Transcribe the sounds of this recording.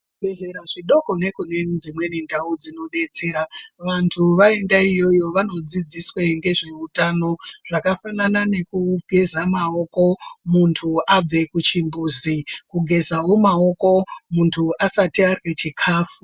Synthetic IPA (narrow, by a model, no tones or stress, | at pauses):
ɓe̞ʐe̞ɾaʐiɗo̞ko̞ne̞kune̞d͡zimwe̞nindʱaud͡zino̞ɗe̞t͡se̞ːɾaʋantʰuʋae̞ndaijo̞jo̞ʋano̞d͡zid͡zisweŋɡe̞ʐe̞utano̞ʐ̥akafananane̞kuɡ̥ʱe̞zamao̞ko̞muntʰuʔab͡ve̞kut͡ʃimbuːzikuɡʱe̞zawo̞mao̞ko̞muntʰuʔasatiarwet͡ʃikʰaːfu